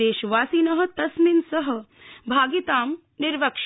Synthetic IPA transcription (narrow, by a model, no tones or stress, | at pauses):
eːʃʋaːsiːnɐɦɐ̆t̪ɐsminsɐɦɐ̆ | bʱaːɡit̪aːm | nɪɾʋɐkʂ